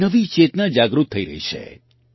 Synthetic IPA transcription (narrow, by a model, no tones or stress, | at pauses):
əʋit͡ʃet̪nad͡ʒaɡɾut̪ʰːəiɾə̰ɦḭt͡ʃʰḛ